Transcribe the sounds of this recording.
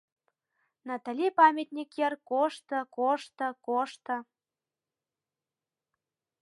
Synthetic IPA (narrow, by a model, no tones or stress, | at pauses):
nɑt̪ɑlʲipɑmʲet̪nʲikjərkoʃt̪ɤ̆koʃt̪ɤ̆koʃt̪ɤ̆